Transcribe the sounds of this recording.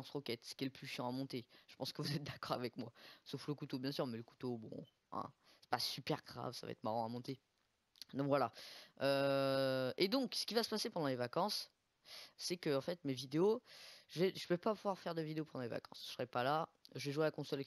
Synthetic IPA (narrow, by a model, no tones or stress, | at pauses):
ɑ̃sʁɔkʲɛt̪sə̥kʲɛləplyʃjɑ̃amɔ̃t̪eʒə̥pɑ̃skəvuzɛt̪̚d̪akɔʁa̰vɛkmwasofləkut̪objɛ̃syʁmɛləku̥t̪obɔ̰̃ | ɛ̰̃ | sɛ̥pasypɛʁɡʁa̰vsava̰ɛ̰t̪χmaʁɑ̃amɔ̃t̪e | d̪ɔ̃kvwalaø | ed̪ɔ̃ksə̥kʲivasə̥pasepɑ̃d̪ɑ̃levakɑ̃sː | ɛkəɑ̃fɛt̪mevid̪eoʒ̥əvɛʒəvɛpapuvwaʁfɛʁd̪əvid̪eopɑ̃d̪ɑ̃leva̰kɑ̰̃sʒ̥səʁɛpala | ʒəvɛʒuwealakɔ̃sɔl